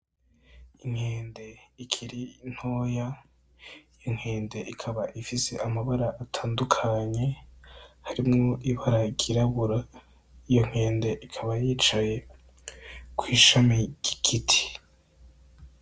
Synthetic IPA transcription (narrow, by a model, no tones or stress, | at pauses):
iŋ̥heːnde̞ikʰiɾin̥ho̞ja | ijoŋ̥e̞ːnde̞ʔikʰaβaʔifise̞̰ʔamaβaɾaʔatʰaːndukʰaɲe̞ | haɾimŋo̞ʔiβaɾaɡiɾaβuɾa | ijo̞ŋ̥he̞ːnde̞ʔikʰaβajiːt͡ʃaje̞ | kwiːʃameɟ̥iɡitʰi̥